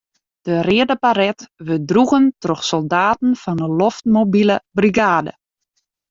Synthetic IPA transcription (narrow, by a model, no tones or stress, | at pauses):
d̥ərɪədəpaɾɛtʋødruɣəntroxsɔlˠdaːtn̩fɔnəloftmobiləbriɡaːdə̰